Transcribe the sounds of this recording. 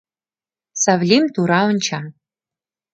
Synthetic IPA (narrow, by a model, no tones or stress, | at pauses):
sɐvlimt̪ʰuɾawɨnt͡ʃʰa